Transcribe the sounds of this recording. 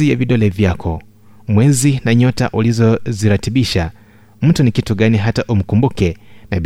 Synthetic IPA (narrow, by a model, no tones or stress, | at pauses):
ijaviɗɔlɛvjakʰɔ | mwɛzinaɲɔta̰ʔulizɔziɾatiɓiʃa | m̩tunikituɠaniɦataʔum̩kumbukɛnaɓ